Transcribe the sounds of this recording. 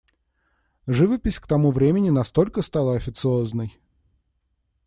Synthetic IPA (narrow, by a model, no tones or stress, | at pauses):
ʐɨvəpʲɪsʲkt̪ɐmuvɾʲemʲɪnʲɪnɐst̪o̞lʲkəst̪alˠəɐfʲɪt̪sɨo̞znəj